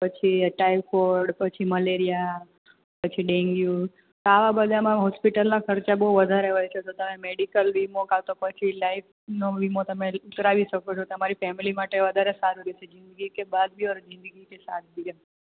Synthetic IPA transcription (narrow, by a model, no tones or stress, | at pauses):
pət͡ʃʰiʈaiʋkoɾɖpət͡ʃʰiməleɾija | pət͡ʃʰiɖẽŋɡju | t̪oaʋabəd̪ʱamãɦɔspiʈəlnãkəɾt͡ʃaboɦuʋəd̪ʱaɾeɦɔjt͡ʃʰet̪ot̪əmẽmeɖikəlʋimokat̪opət͡ʃʰilaif | noʋimot̪ɐmẽʊt̪ɾaʋiʃəkot͡ʃʰot̪əmaɾifɛmilimaʈeʋəd̪ʱaɾesaɾuɾesezɪ̃nd̪əɡikebad̪̚bʱioɾzɪ̃nd̪əɡikesa̰t̪̚biə